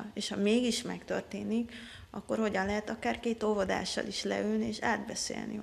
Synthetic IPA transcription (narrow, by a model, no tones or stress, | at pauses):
eːʃhɒmeːɡiʃmɛkt̪ø̰rt̪eːnik | ɒkːo̞rho̞ɟɒnlɛɦɛt̪ɒkaːrkeːt̪ovod̪a̰ːʃːɒ̰liʃlɛ̰ylnieːʃaːd̪bɛsḛːlnḭ